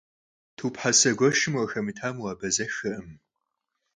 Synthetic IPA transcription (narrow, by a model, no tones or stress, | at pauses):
tʰuːpħasɐɡʷɔʃɨmwɐxɐmɨtʰaːmuwaːbɐzɐxɐʔɨm